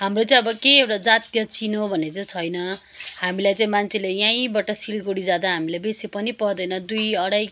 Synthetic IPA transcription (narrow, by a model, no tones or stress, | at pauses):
ɦamrot͡sãĩʌbʌkeewʈad͡zat̪jʌt͡sinobʱʌnːet͡saĩt͡sʰʌjnʌ | hamilajt͡saĩmant͡sʰelejãj̃bʌʈʌsilɡoɽid͡zad̪aɦamilajbesipʌnipʌɾd̪ʌjnʌd̪ujʌɽaj